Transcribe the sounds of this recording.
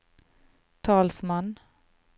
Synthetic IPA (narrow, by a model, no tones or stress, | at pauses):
t̪ʰɑːlsmɑn